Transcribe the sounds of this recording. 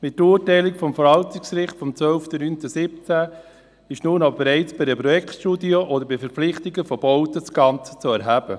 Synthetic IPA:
mɪt̚tɾuːɾtɛɪlɪkfɔmfəɾhɑltɪksɾɪχtfɔmt͡sʋœlftənyntəsɪpt͡sæ | ɪʃnuːnob̥eɾɛɪt͡sb̥ɪdəpɾɔjɛktʃtudioʔɔd̪əɾbɪfəɾpflɪχt̪ɪɡəfɔbɔʊtəsɡ̥ɑnt͡sə̥t͡suɛɾɦæbə

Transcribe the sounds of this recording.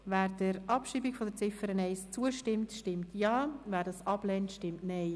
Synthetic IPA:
væːɾdəɾʔɑpʃiːbiɡfɔdəɾt͡sɪfəɾənɛɪst͡suəʃtɪmtʃtɪmtjɑːvæːɾdɑsɑblɛntʃtɪmtnɛɪ

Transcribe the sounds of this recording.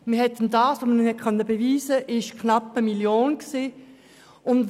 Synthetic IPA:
mɪɐhɛtːəndɑːsʋomənɪnhɛt̚kʰœnːəbeviːzəʔɪʃkʰnɑpːəmiljoːnksiː | ʊnd

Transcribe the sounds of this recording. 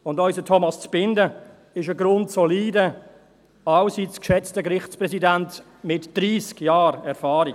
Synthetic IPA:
ʊndɔʏsdətʰɔmɑst͡sb̥ɪndə | ɪʃəɡɾʊntsoliːdə | ɑʊsit͡skʃɛt͡stəkɾɪχt͡spɾɛsidænt | mɪtd̥ɾiːskjaːɾɛɾfɑːɾi

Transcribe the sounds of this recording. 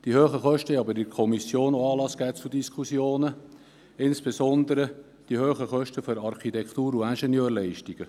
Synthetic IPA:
d̥ihøːχəχœʃtəɑbəɾɪɾkʰɔmisjoːnoɑːlɑsɡ̥æːt͡sudiskχusjoːnə | ɪnsb̥esɔnd̪əɾə | d̥ihøːχəχœʃtəføɾɑɾχit̪ɛkχt̪uːɾuænʃɛnjøːɾlɛɪʃtiɡ̥ə

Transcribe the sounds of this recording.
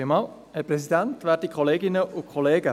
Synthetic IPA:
əmɑːl | əpɾɛsidæntʋæːɾdikʰχɔleːɡɪnəʔʊkχoleːɡə

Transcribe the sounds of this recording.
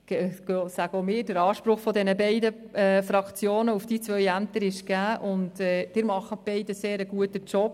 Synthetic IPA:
sæɡəomɪːd̥əɾɑːʃpɾʊχfɔdɛnəbɛɪdə | ɛfɾɑkt͡sjoːnəufd̥iːt͡sʋœjæmt̪əɾɪʃɡ̥æːʔʊntɛd̥ɪɾmɑχəb̥ɛɪdəseːɾəɡuətət͡ʃɔp̚

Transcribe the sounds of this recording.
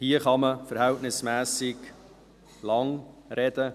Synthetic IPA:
hiəχɑməfəɾhæltnɪsmæːsɪɡ | lɑŋɾɛd̥̪ə

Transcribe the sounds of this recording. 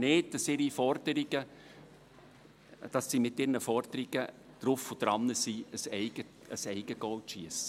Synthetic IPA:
nɪːddɑsɪɾifɔrd̥əɾiɡ̥ə | d̥ɑsːimɪtɪɾnəfɔrd̪̥əɾiɡ̥ə | d̪̥ɾʊfʊd̥ɾɑnːəsiəsɛɪɡ̥ə | əsɛɪɡ̥əɡ̥ɔltʃiəsə̥

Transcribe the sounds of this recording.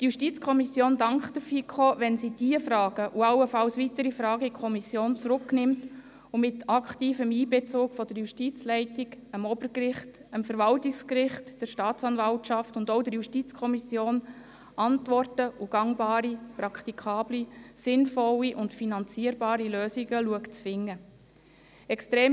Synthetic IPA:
d̥ijuʃtit͡skʰɔmisjoːndɑŋkχd̥̪əfikχoʋɛnsid̥iəfrɑːɡ̥əʔuɑwəfɑlsʋitəɾifɾɑːɡəikʰɔmisjoːnt͡sɾʊkːnɪmt | umɪt̪ʰɑkχtiːfəmiːbɛt͡sʊːkfɔd̥əɾjuʃtit͡slɛɪtiɡəmɔbəɾkrɪχtəmfəɾʋɑltikskɾɪχtd̥əɾʃtɑːtt͡sɑnvɑltʃɑftʊndɔʊdəɾjuʃtit͡skʰɔmisjoːn | ʔɑntvɔrtəʔuɡ̥ɑŋbɑːɾiprɑkʰt̪ikʰɑːblisɪnfɔlːiʔʊntfinɑnt͡siəɾbɑːɾiløːsiɡəluəkt͡sfɪŋːə | ɛkstɾeː

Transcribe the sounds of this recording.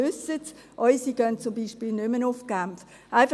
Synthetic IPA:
ʏsət | ʔɔʏsiɡ̥œnt͡sʊmbiːʃpiːlnʏmənʊfɡ̥amf | ʔaɪf

